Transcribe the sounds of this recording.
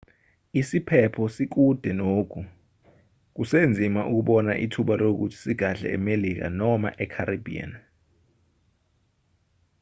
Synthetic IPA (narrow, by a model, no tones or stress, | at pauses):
isipʰɛpʰɔsik̬ud̥ʱɛnoːk̬ʰu | k̬usend͡zʱimaʔuk̬uɓɔnaʔḭtʰuɓalok̬ṵtʰi̥siɡ̥ʱaɬɛ̰ɛ̰melik̬a̰nɔma̰ʔɛkʰaɾibʱḭa̰n